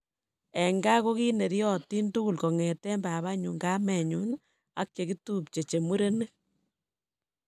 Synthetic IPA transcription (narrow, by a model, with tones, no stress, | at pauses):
ɛ˨ŋɡa˦ko˦ki˦ne˨ɾi˦ɔ˦tːi˦ntu˦ku˨lkɔ˨ŋɛ˨tɛ˦mba˨βa˦ɲṵ˨ŋɡa˦mɛ˨ɲu˦n | a̰˦k̚t͡ʃe˨ki˦tu˦p̚t͡ʃe˨t͡ʃe˨mu˦ɾe˦ne˦